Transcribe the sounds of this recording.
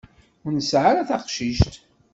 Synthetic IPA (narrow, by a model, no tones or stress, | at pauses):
ʊɾnəsʕaɾaθɑqʃiʃt̪